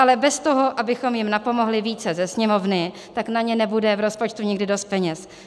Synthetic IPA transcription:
alɛbɛst̪o̞ɦo̞ʔabɪxo̞mjɪmnapo̞mo̞ɦlɪviːt͡sɛzɛsɲɛmo̞vnɪ | t̪aknaɲɛnɛbudɛvɾo̞spo̞t͡ʃt̪uɲɪɡdɪdo̞st̪̚pɛɲɛs

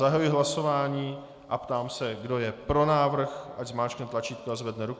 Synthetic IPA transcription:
zaɦajuɪɦlaso̞vaːɲiː | ʔapt̪aːmsɛɡdo̞jɛpɾo̞naːvr̩xʔaɟzmaːt͡ʃknɛt̪lat͡ʃiːt̪̚kuazvɛdnɛɾuk

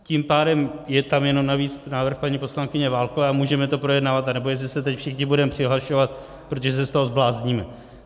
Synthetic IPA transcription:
cimpaːdɛmjɛt̪amjɛno̞mnaviːt͡snaːvr̩xpaɲiːpo̞slaŋkɪɲɛvaːlkovɛamuːʒɛmɛt̪o̞pɾo̞jɛdnavat̪anɛbo̞jɛs̬lɪsɛt̪ɛcfʃɪxɲɪbudɛmɛpr̥ɪɦlaʃo̞vat̪̚ | pɾot̪oʒɛs̬ɛst̪oɦo̞zblaːzɲiːmɛ

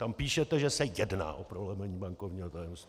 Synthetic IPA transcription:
t̪ampiːʃɛt̪ɛʒɛsɛjɛdna̰ːʔopɾolɛmɛɲiːbaŋkovɲiːɦot̪ajɛmst̪

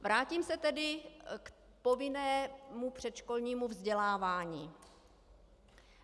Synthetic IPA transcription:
vɾaːciːmsɛt̪ɛdɪk | po̞vɪnɛːmupr̝̥ɛt̪ʃko̞lɲiːmuvzɟɛlaːvaːɲiː

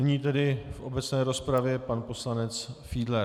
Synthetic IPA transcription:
nɪɲiːt̪ɛdɪfʔo̞bɛt͡snɛːɾo̞spɾavjɛpanpo̞slanɛt͡sfidlɛ

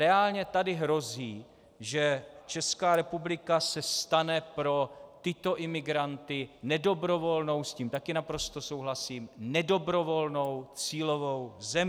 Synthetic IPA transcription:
ɾɛaːlɲɛt̪adɪɦɾo̞ziː | ʒɛt͡ʃɛskaːɾɛpublɪkasɛst̪anɛpɾo̞t̪ɪt̪o̞ʔɪmɪɡɾant̪ɪnɛdo̞bɾo̞vo̞lno̞wsciːmt̪akɪnapɾo̞st̪o̞so̞wɦlasiːmnɛdo̞bɾo̞vo̞lno̞wt͡siːlo̞vo̞wzɛm

